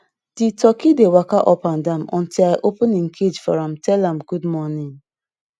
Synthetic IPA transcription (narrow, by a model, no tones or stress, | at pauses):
d̥itɔkidewakaʔɔpandamɔ̰̃ntilaɪʔopənĩŋkʰed͡ʒfɔɹãmtʰɛlãmɡudmɔnĩŋ